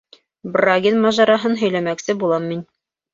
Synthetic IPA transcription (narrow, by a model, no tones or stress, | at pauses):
braɡʲinmɑʒɑɾɑɦɤnɦɵ̆jlæmæksɘbulˠɑmːin